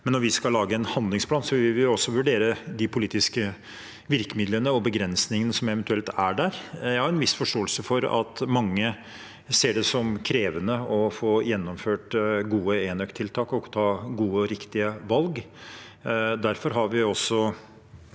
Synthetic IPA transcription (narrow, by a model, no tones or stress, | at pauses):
mɛnːɔɾʋɪskɑllɑːɡəɛnhɑnd̪lɪŋspʰlɑːnsɔʋɪlɪlʋɪɔsːɔʋʉɖeːɾəd̪ɪpʰʊliːt̪ɪskə | ʋɪɾkəmɪd̪lənəɔbəɡɾɛnsnɪŋənəsɔmɛʋɛnt̪ʉɛlt̪æɖæɾjæhɑɾɛnʋɪsfɔʂʈoːəlsəfɔɾɑ̰t̪mɑŋːə | seːɖɛsɔmkʰɾeːʋənəɔfoːjɛnːɔmføːʈɡuːəeːnœkt̪ʰːɪlt̪ʰɑːkɔkt̪ʰɑːɡuːəɾɪkt̪ɪəʋɑlɡ | d̪æɾfɔɾɦɑɾʋɪɔsːɔ